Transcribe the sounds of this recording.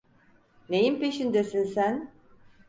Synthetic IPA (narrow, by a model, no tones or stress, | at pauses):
nejimpeʃind̪esinsæn